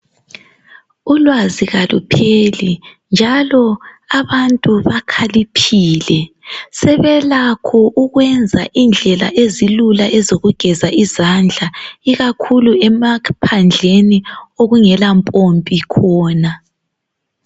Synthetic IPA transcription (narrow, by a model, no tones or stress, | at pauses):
ulwaziɣalṵpʰelind͡ʒʱalɔ | aβantʼuβakʰalipʰiːlɛ | sɛβɛlakʰɔʔuɣwɛnd͡zʱa̰ʔind͡ɮʱɛla̰ʔezilulaʔɛzoɣuɡ̥ʱɛzaʔizand͡ɮʱaiɣakʰuluɛmapʰand͡ɮʱenioɣuŋɛlampʼompʼikʰɔːna